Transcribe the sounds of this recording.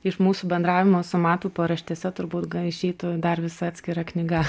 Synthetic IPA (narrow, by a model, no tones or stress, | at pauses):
ɪʃmuːsuːbʲɛnd̪ɾɑːʋʲɪmoːsʊmɑːt̪uːpoːɾɐʃʲt̪ʲɛsʲɛt̪ʊɾbuːt̪ɡɐɪʃʲɛɪt̪ʊd̪ɐrʋʲɪsɑːt̪ʲsʲkʲɪɾɐknʲɪɡɐ